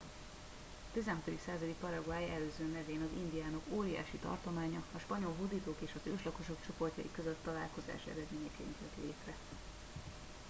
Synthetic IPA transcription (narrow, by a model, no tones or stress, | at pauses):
ɒt̪izɛnɦɒt̪o̞d̪iksaːzɒd̪ik̚pɒɾɒɡuaːjɛløːzøːnɛveːnɒzind̪ijaːno̞koːɾija̰ːʃit̪ɒ̰rt̪o̞maːɲɒɒʃpɒɲo̞lɦud̪iːt̪oːkeːʃɒzøːʃlɒko̞ʃo̞kt͡ʃo̞po̞rcɒ̰jikø̞zø̞t̪ːɒlaːlko̞za̰ːʃɛ̰ɾɛd̪meːɲɛkɛḭnt̪ɛ̰t̪lḛːt̪rɛ